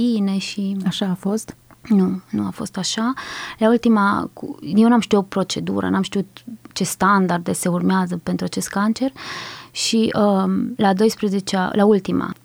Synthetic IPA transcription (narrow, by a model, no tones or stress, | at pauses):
ine̞ʃiaʃaːfo̞st̪ | nunuafo̞̰st̪aʃalault̪imakujewnamʃt̪iot̪̚pɾo̞t͡ʃe̞d̪ṵɾə̰namʃt̪iut̪t͡ʃe̞st̪and̪ard̪e̞se̞urmeazəpe̞nt̪ɾuat͡ʃe̞st̪̚kant͡ʃe̞rʃiəlad̪o̞jspɾəze̞t͡ʃa̰lʔault̪ima̰